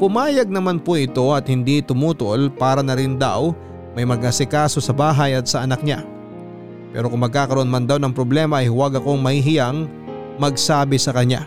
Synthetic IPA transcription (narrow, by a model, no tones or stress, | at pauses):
pʊmaːjɐɡ̚nɐmanpoʔɪt̪o̞ʔɐt̪̚hɪnd̪it̪ʊmuːt̪ʊolpaːɾɐnɐɾɪnd̪a̰w | mɐjmɐɡ̚ɐsɪkaːso̞sɐbaːɦɐjɐt̪̚sɐʔɐnak̚ɲa | pɛ̰ːɾo̞kʊŋmɐɡ̚kaːkɐɾoʔnmɐnd̪awnɐŋpɾoblɛːmɐʔɐjhʊwɐɡɐko̞ŋmɐhiɦɪjaŋ | mɐɡ̚saːbɪsɐkɐɲa̰